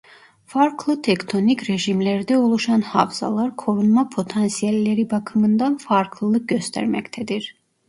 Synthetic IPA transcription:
faɾkʰlˠɯt̪ʰekt̪ʰo̞nicɾeʒimlʲæɾd̪ɛulˠuʃanha̰vza̰lˠaɾkʰo̞ɾunmapʰo̞t̪ʰansijælʲːe̞ɾibakʰɯmɯnd̪anfaɾkʰlˠɯlˠɯk̚ɟøst̪ʰæ̰ɾmɛct̪ʰɛd̪iɾ̥

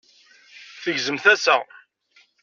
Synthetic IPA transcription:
θəʝzəmθæsæ

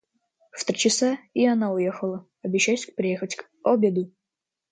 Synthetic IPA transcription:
ft̪ɾʲit͡ɕɪsaianaujexəlˠə | ɐbʲɪɕːæsʲk̚pʲɾʲɪjexətʲk | obʲed̪u

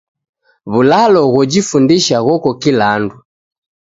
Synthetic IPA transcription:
βulalɔɣɔd͡ʒifundiʃaɣɔkɔkilandu

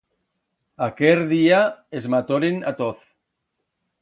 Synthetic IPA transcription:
akeɾðiaezmat̪oɾenat̪oθ

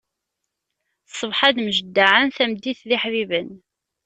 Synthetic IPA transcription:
sˤːəvħad̪məʒəd̪ːaʕənθæmd̪ːiθðiħvivən

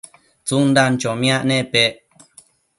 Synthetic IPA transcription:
t͡sund̪ant͡ʃomĩãʔnẽpeʔ

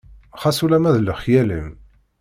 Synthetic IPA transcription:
χæsulæmæðləχjælḭm

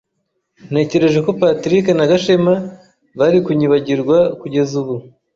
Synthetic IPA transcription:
n̥he̞ːce̞ɾe̞ʒe̞ko̞patɾikenaɡaʃema | βaɾikuɲiβaɟiɾɡwakuɟe̞zuβu

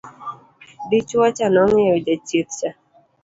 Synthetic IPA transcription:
bit͡ʃwat͡ʃanɔŋɛd͡ʒat͡ʃit̪t͡ʃa

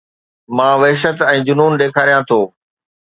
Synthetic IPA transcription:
mãːʋɐɦʃ̬ət̪ɛ̃ːd͡ʑʊnuːnɗeːkʰaːɾijãt̪ʰoː

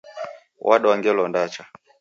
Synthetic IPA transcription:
wʔaɗawaŋɡɛlɔndat͡ʃa

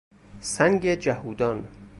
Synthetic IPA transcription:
sæŋɡed͡ʒæhuːd̪ɒn

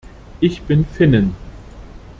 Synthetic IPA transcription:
ʔɪçb̥ɪnfɪnən

